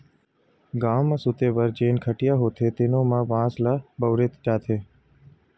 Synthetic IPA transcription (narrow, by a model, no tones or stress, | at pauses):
ɡaːʋmãːsʊt̪eːbəɾd͡ʒeːnkʰəʈɪjaːɦoːt̪ʰeːt̪eːnõːmãːʋãːslaːbəʋɾeːt̪d͡ʒaːt̪ʰeː